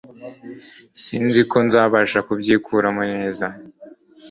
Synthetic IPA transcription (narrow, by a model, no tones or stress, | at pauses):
siːnziko̞nzaːβaʃakubɟiːkʰuɾamuneːza